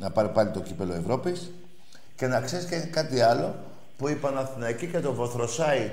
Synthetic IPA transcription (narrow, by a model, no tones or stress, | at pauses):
nɐpɐɾipɐlit̪o̞cipe̞loevɾo̞pis | ce̞nɐksescekɐt̪iɐlo̞ | puipɐnɐθinɐicice̞t̪o̞vo̞θɾo̞sɐi